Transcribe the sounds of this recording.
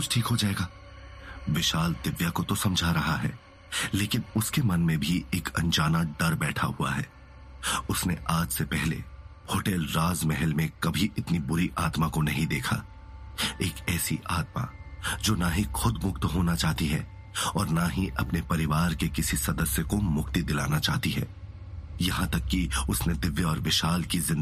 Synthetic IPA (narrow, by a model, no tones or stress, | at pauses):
kʊt͡ʃʰʈʰiːkɦod͡ʒaːeːɡaː | ʋɪʃaːld̪ɪʋjakot̪osɐ̃md͡ʒʱaɾɐɦaɦɛ̰ː | leːkɪnʊskemɐnmẽbʱiʔeːkɐ̰̃nd͡ʒaːnaɖɐɾbɛːʈʰa̰ɦua̰ɦɛ̰ː | ʊsneʔaːd͡ʒsepɛɦlḛ | hoːʈɛːlɾaːzmɛɦɛlmẽkɐbʱiʔɪt̪nibʊɾiʔaːt̪makonɐɦĩd̪eːkʰa̰ | eːkɛːsiʔaːt̪̚ma̰d͡ʒoːnaɦixʊd̪mʊkt̪ɦoːnat͡ʃaːɦt̪iɦɛ̰ː | ɔːɾnaɦiʔɐ̰pnepɐɾɪʋaːɾkekɪsisɐd̪əsjəkomʊkt̪id̪ɪla̰ːnat͡ʃaːɦt̪iɦɛ̰ː | jɐɦãt̪ɐkːiʊsned̪ɪʋjəɔːɾʋɪʃaːlkizɪ̃n